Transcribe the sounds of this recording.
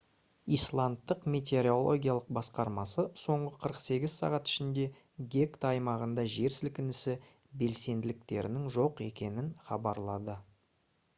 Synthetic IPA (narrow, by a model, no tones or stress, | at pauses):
ijslˠant̪ːəqmʲet̪̬ʲe̞ɾio̞lˠo̞̰ɡʲijalˠəq̚bɑsqɑɾmɑsəso̞ɴʁəqʰəɾəqse̞ɡʲɪzsɑ̰ʁɑt̪ɪ̥ʃɪnd̪e̞ | ɡʲe̞kt̪ɑjmɑʁənd̪ɑʒe̞ɾsɪlkʲɪnɪsɪ | be̞lse̞nd̪ɪlɪk̚t̪e̞̰ɾɪ̰nɪŋʒo̞qe̞kʲe̞nɪnχɑ̰bɑɾlˠɑd̪ə